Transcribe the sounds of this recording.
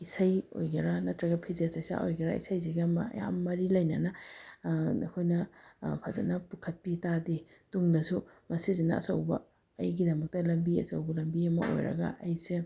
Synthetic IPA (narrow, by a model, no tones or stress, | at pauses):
isajo̰jɡɐɾɐnɐtɾɐɡɐpʰizesɐjsa̰ʔojɡɐɾa̰ḭsajs̬iɡɐmɐɐ̰ja̰mːɐɾilɐjnɐnɐ | kʰojnɐpʰazɐ̰nɐpukʰɐt̚pitadituŋdɐsumɐsizinɐ̰ɐ̰sɐ̰wbɐ̰ː | jɡidɐmɐk̚tɐlɐmbiɐ̰sɐwbɐlɐmbiɐmɐ̰ʔo̰jɾɐ̰ɡɐ̰ʔɐjse